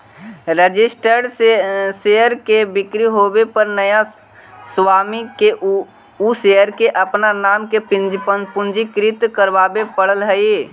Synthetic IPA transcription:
ɾəd͡ʒɪsʈəɾseseəɾkebɪkɾiɦoːbepəɾnəja | swaːmike | usejəɾkeʔəpnanaːmkepɪd͡ʒəpʊ̃nd͡ʒikɾɪt̪kəɾʋaːbepəɽəlɦəe

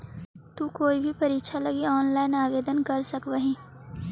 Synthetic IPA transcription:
t̪ukoːibʱipɐɾiːkʃʰalɐɡiɔːnlaːɪnaːʋeːd̪ənkɐɾsɐkʋəɦĩː

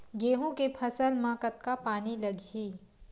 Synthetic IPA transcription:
ɡeːɦõkepʰɐsəlmãːkət̪̚kapaːnilɐɡiː

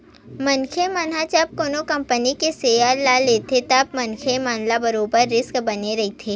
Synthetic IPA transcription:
mɐnkʰemɐnɦat͡ʃap̚koːnokɐ̃mpənikeseːjalaleːt̪ʰet̪ap̚mɐnkʰemaːnlabɐɾoːbəɾːɪskbɐneɾɐɦit̪ʰeː

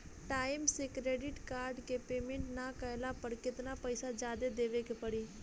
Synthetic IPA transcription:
ʈaːɪmsekɾeːɖɪʈkaːɾɖkeːpeːmẽːɳʈnaːkəjlaːpəɾkɪt̪naːpəɪsaːd͡ʒaːd̪eːd̪eːʋeːkepəɽiː

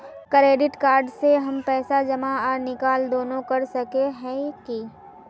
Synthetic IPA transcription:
kɾeːɖɪʈkaːɾɖseɦɐmpɛːsad͡ʒɐmaɔːɾnɪkaːld̪oːnõkɐɾsɐkeɦɛ̃ki

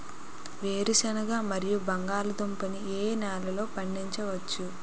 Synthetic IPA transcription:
ʋe̞ːɾiʃɐnɐɡaːmɐɾijubɐŋɡaːlud̪ompɐnieːnaːlɐlo̞ːpɐɳɖiɲt͡ʃɐʋɐt͡ʃːu

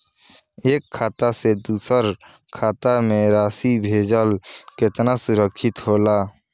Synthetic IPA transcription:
eːkʰːaːt̪ased̪uːsəɾ | kʰaːt̪amẽɾaːsibʱeːd͡ʒəlkɪt̪nasʊɾəkʰʃɪt̪ɦoːlaː

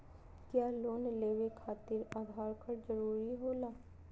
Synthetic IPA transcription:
kjaːloːnleːʋekʰaːt̪ɪɾaːɡʱaːɾkəɾd͡ʒəɾuːɾiɦoːlaː

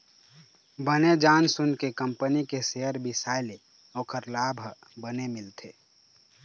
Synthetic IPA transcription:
bəned͡ʒaːnsʊnkekəmpənikeseɦəɾbʱisaːɪle | ɔːkʰəɾlaːbʱ | bənemɪlt̪ʰeː

